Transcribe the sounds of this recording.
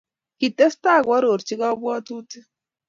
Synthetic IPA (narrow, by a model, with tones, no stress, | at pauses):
ki˨tːe˦sta˦˨kwɔ˦ɾo˨ɾt͡ʃi˦kɔ˦bwɔ˦tu˦ti˦